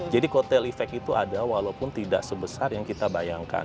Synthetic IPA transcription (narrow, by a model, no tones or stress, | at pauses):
d͡ʒadikot̪ɛlifɛk̚it̪uʔadawalawpʊnt̪ida̰ʔsəbəsarjaŋkit̪abajaŋka̰